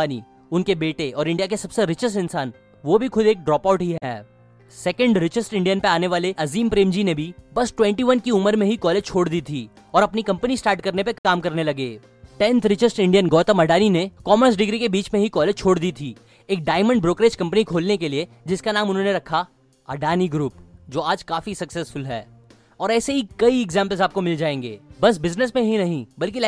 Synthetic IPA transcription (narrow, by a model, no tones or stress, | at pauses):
nḭ | ʊnkebeːʈeɔːɾɪ̃ɳɖijakesɐbseɾɪt͡ʃəsʈɪnsaːn | ʋobʱixʰʊd̪eːk̚ɖɾɔːpaːʊʈɦiɦɛ̰ː | sɛkə̃ɳɖɾɪt͡ʃɪsʈɪ̃ɳɖijənpɐaːneʋaːleʔɐziːmpɾeːmd͡ʒinebʱibɐsʈwɛ̃ɳʈiʋɐnkiʊməɾmẽɦikɔːleːd͡ʒt͡ʃʰoːɽd̪iːt̪ʰiː | ɔːɾɐpnikɐ̃mpənisʈaːɾʈ̚kɐɾnep̬ɐkaːmkɐɾnelɐɡḛː | ʈɛ̃nt̪ʰɾɪt͡ʃɪsʈɪ̃ɳɖijənɡɔːt̪əmɐɖaːninekɔːməɾs̬ɖɪɡɾikebiːt͡ʃmẽɦikɔːleːd͡ʒt͡ʃʰoːɽd̪iːt̪ʰiː | eːk̚ɖaːɪmə̃ɳɖbɾoːkɾeːd͡ʒkɐ̃mpənikʰoːlnekelie | d͡ʒɪskanaːmʊnɦõneɾɐkʰa | ɐɖaːniɡɾuːpd͡ʒoːaːd͡ʒkaːfisɐksɛsfʊlɦɛ̰ː | ɔːɾɛːseɦikɐiɛɡzɛ̃ːmpəlzaːp̚komɪld͡ʒaːẽːŋɡeːbɐs̬bɪznəs̬mẽɦinɐɦĩbɐlk̬i